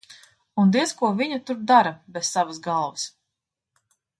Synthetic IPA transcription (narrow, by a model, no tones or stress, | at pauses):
und̪iɛskuɔvʲiɲɐt̪uɾd̪aɾɐbessavasɡalˠvɐs